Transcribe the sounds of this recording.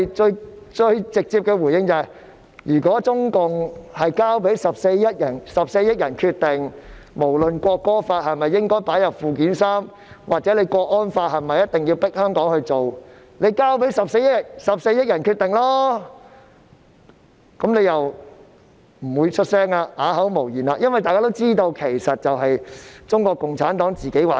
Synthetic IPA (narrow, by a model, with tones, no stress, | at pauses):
t͡ʃɵ˧ɥt͡ʃɵ˧ɥt͡sɪ˨k̚t͡si˧p̚kɛː˧wu˨˩jɪ˥ŋt͡sɐː˨ɐ˨˩j | jyː˨˩kɔː˨˥t͡sʊ˥ŋkʊ˨ŋhɐ˨jkaː˥wpe˨˥jsɐ˨p̚se˧jːɐ˥t̚jɐ˨˩nsɐ˨p̚se˧jɪ˥t̚jɐ˨˩nkʰyː˧t̚t̪ɪ˨ŋmo˨˩wlɵ˨˩nkʷɔː˧kːɔː˥faː˧t̚hɐ˨jmɐ˨jːɪ˥ŋkɔː˥jpaː˨˥jɐ˨p̚fuː˨k̬iː˨˥nsaː˥m | wa̰ː˨k̚t͡sɛː˨˥le˧jkɔː˧k̚ʔɔː˥nfaː˧t̚hɐ˨jmɐ˨jɐ˥t̪̚ɪ˨˩ŋjiː˧wpɪ˥k̚hœː˥ŋkɔː˨˥ŋhɵ˧ɥt͡so˨w | ne˨˧jkaː˥wp̬e˨˥jsɐ˨p̚se˧jsɐ˨p̚se˧jɐ˥t̚jɐ˨˩nkʰyː˧t̪̚ɪ˨˩ŋlɔː˥ | kɐ˨˥mnle˨˧jɐ˨w | m̩˨˩wuː˨˧jt͡ʃʰɵ˥t̚sɛː˥ŋaː˧aː˨˥ɦɐ˨˥wmo˨˩wjiː˨˩naː˧˥jɐ˥nwɐ˨jt̪aː˨kaː˥t̪o˥wt͡siː˥t̪o˧wkʰe˨˩jsɐ˨t̚t͡sɐ˨wɦɐ˨jt͡sʊ˥ŋkʷɔː˧kːʊ˨ŋt͡sʰaː˨˥nt̪ɔː˨˥ŋt͡siː˨ke˨˥jwaː˨˥